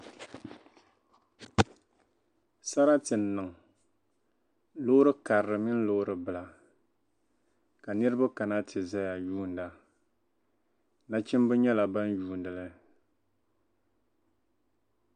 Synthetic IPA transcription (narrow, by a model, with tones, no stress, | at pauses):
sa˦ɾa˦tɨ˨n̩ː˨ɨ˨ŋ˨ | lo˦ɾɨ˦ka˨ɾɾɨ˨mɪ˦n̩˦lo˦ɾɨ˨bɨ˨la˨ | ka˨nɨ˦ɾɨ˦ba˦ka˨na˦tʰɨ˨za˦ja˨juː˦˨n˨da˨ | na˦t͡ʃɪ˦m˦bɨ˦ɲɛ˦la˨ba˦njuː˦˨ndɨ˨lɨ˦